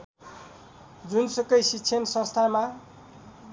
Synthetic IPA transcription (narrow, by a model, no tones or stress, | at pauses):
d͡zunsʌkʌjsikːsʰensʌ̃st̪ʰama